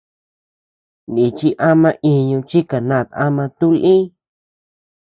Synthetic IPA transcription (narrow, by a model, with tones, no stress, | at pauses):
nĩ˨t͡ʃi˦ʔa˦mã˧ʔĩ˧ɲũ˧t͡ʃi˦ka˨nã˦˧˨t̪a˦mã˧t̪ũ˦lʔĩ˦